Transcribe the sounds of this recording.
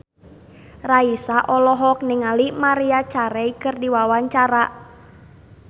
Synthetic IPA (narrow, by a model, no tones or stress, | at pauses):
raisaʔɔlɔɦɔk̚nɪŋalimaɾiat͡ʃaɾɛikɨrdiwawaɲt͡ʃaɾa